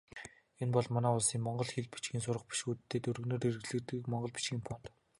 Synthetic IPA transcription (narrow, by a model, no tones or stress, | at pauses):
enpɔɮmanæːʊɮsiːŋmɔɴɢɞ̆ɮxiɮpi̥t͡ɕɡʲiːnsʊɾə̆χpi̥ʃuːt̪t̪ʰːeːt̪ɵɾɵ̆ɣnoːɾirɘɣɮɘ̆t̪ɘ̆kmɔɴɢɞ̆ɮpi̥t͡ɕɡʲiːmpʰɔnt̪